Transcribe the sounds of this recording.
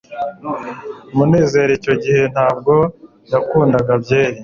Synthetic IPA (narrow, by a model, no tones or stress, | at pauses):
mune̞ːze̞ːɾeco̞ɟihe̞n̥aːb̚ɡo̞ | jakuːndaɡabɟe̞ːɾi